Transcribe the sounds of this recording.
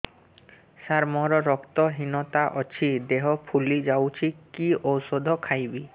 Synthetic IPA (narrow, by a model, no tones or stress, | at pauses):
saɾmɔɾɔɾɔkt̪ɔɦinɔt̪aʔɔt͡ɕʰid̪eɦɔpʰulid͡ʒawt͡ʃʰikiosod̪ʱɔkʰajbi